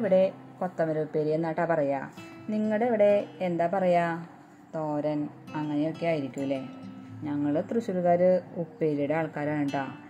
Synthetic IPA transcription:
ʋiɽe̞ | kot̪ːɐmɐɾeupːeːɾijenːaːʈːaːpɐrɐja̰ːniŋːɐɭeʋiɽe̞ːnd̪aːpɐrɐjaː | t̪o̞ːɾɐn | ɐŋːɐnejo̞kːejaːjiɾikʲːuilːeɲɐŋːɐɭɨt̪rɨɕulɣaːɾɨupːeːɾiɽeaːɭkaːɾaːnuɳɖaː

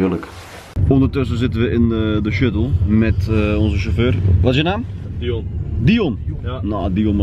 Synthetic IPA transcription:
ɪlək | ondərtøs̬əzɪtənʋəɪnədəʃøtəl̩ˠmɛtɔnzəʃoføːrʋɔtɪsjənaːm | dionnodion

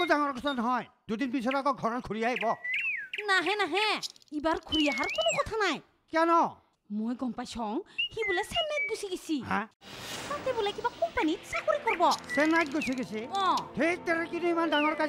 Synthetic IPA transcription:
ɔdaŋɔɹkɔtʰanɔɦɔjd̥udinpisɔɾakɔɡʱɔɹɔt̚kʰuɹiaɦibɔ | naɦɛ̃naɦɛ̃ibaɹkʰuɹijaɦaɹkonokɔtʰanaj | kanɔ | mojɡɔmpajsɔŋhibulɛsɛnɛt̚ɡusiɡisiɦãtatɛbulɛkibakɔmpanitsakoɹikɔɹbɔsɛnajt̚ɡojsiɡesiɔ̃tʰetɛɾɛkinuimandaŋɔɹka

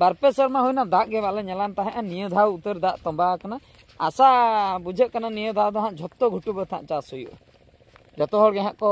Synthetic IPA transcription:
baɾpɛsəɾmaɦujnad̪aʔɡɛbaʔlɛɲɛlant̪aɦɛ̃ʔanijəd̪ʱawut̪əɾd̪aʔt̪ɔ̃mbakana | a̰saʔbud͡ʒʱəʔkananijəd̪ʱawd̪ɔɦãʔd͡ʒʱɔt̪ːɔɡʱuʈubət̪ʰã̰ʔt͡ʃasujṵʔ | d͡ʒɔt̪ɔɦɔɽɡɛɦãʔkɔ

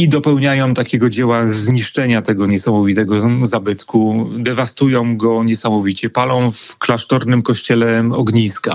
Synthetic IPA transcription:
id̪ɔpɛwɲajɔ̃w̃t̪akʲeɛɡɔd͡ʑɛwazɲiʂt͡ʂɛɲat̪ɛɡɔɲɛsamɔvʲit̪ɛɡɔzabɘt̪kud̪ɛvast̪ujɔ̃w̃ɡɔɲɛsamɔvʲit͡ɕɛpalɔ̃w̃fklaʂt̪ɔɾnɘmkɔɕt͡ɕɛlɛɔɡɲiska̰

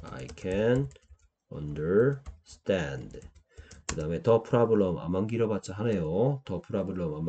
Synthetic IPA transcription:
a̰jkʰɛn | ʌ̰ndə˞stʰɛnd | kɯdaɯme̞tʌpʰuɾabɯɭʌma̰manɡiɾʌbat̚t͡ɕ͈aɦanejotʌpʰuɾabɯɭʌmam

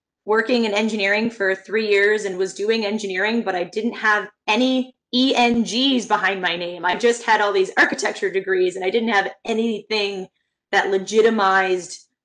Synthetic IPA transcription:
wɜ˞kɪ̃ŋɨ̃nɛ̃nd͡ʒɨnɪɹɪ̃ŋfə˞θɹijɪɹzɨ̃nwʌzdʉɪ̃ŋɛ̃nd͡ʒɨnɪɹɪ̃ŋbʌɾaɪdɪdⁿn̩t̚həvɛni | iɛ̃nd͡ʒizbəhãɪ̃ndmaɪnẽɪ̃maɪd͡ʒʌst̚hɨɾɔlˠðizɑɹkɨtʰɛk̚t͡ʃə˞dɨɡɹizɨ̃naɪdɪdⁿn̩t̚hɨvʔɛniθɪ̃ŋ | ðɨʔˡlɨd͡ʒɪɾɨmaɪzd̥

